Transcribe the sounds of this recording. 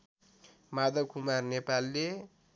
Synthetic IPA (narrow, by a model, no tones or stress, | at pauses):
mad̪ʌkʰumarnepalːe